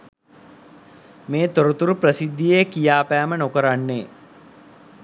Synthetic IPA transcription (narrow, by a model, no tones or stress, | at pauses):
meːt̪oɾut̪uɾuprəsid̪ːijekijaːpæːmənokəɾanːeː